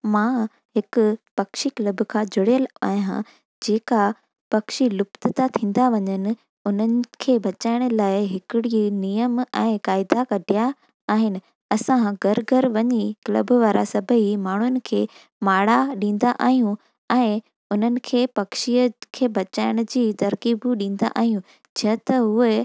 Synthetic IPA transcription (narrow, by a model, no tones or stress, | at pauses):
mãː | ɦɪkʊ̆pɐkʃiklɐbkʰãd͡ʑʱʊɽjəla̰ːjã̰ | d͡ʑeːka | pɐkʃilʊpt̪ɪt̪at̪ʰĩːn̆d̪aʋɐɲənɪ̆ | ʊn̤ənɪ̆kʰeːbʱɐt͡ɕaːɪɽ̃ʊ̆laːɪɦɪkɪɽinijəmɛ̃ːkaːɪd̪akɐɖʱijaː | ɦɪnɪ̆ | ɐsãɡɐɾɡʱəɾʋɐɲiklɐ̰bʋaːɾa̰sɐbʱəɦimaːɳ̤ʊnɪ̆kʰeː | maːɽaɗĩːnd̪aʔa̰ːɦijũ | ɛ̃ː | ʊn̤ənɪ̆kʰeːpɐkʃiəkʰeːbɐt͡ɕaːɪɽ̃ʊd͡ʑiːt̪ɐɾkiːbʊɗĩːnd̪a̰ʔa̰ːɦijũ | d͡ʑə̃t̪ɐɦʊe